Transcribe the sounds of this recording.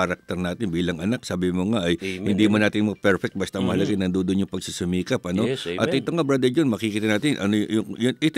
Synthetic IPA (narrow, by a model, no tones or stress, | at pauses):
ɐɾɐk̚t̪ɛɾnaːt̪ɪnbiːlɐŋʔɐnak̚saːbɪmoŋaʔɐjhɪnd̪imɐnaːt̪ɪnmɐpɛɹfɛk̚t̪̚bɐst̪ɐŋmɐhɐlɐɡanɐnd̪od̪oʔnɲjʊŋpɐɡsisʊmiːkɐpɐno̞ʔɐ̰t̪ʔɪt̪oŋɐbɾad̪ɛd͡ʒonmɐkɪkiːt̪ɐnaːt̪ɪnʔɐ̰nojjʊjʊnʔɪt̪